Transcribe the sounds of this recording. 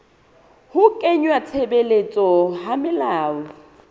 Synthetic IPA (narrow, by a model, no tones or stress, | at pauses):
hʊkʼeɲwat͡sʰebelet͡sʼɔɦamɪlaːɔ